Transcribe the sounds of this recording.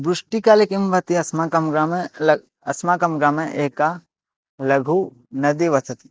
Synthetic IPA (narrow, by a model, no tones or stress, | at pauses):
bɾʊʂʈikaːlekimbɐt̪iɐsmakɐmɡɾamel | ɐsmakɐmɡɾaːmẽʔeːka | lɐɡʱu | nɐd̪iʋɐt͡sɐt̪i